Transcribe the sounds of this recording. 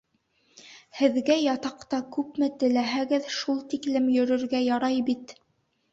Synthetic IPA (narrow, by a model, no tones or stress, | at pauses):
hɘ̆ðɡæjɑt̪ɑqt̪ɑkʉpmɘt̪ɘ̆læɦæɡɘðʃulˠt̪iklɘmjɵ̆ɾɵ̆ɾɡæjɑɾɑjbit̪